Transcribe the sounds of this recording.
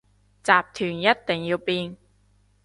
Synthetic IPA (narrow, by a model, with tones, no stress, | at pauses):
t͡saː˨p̚t̪ʰyː˨˩njɐ˥t̚t̪ɪ˨˩ŋjiː˧wpiː˧n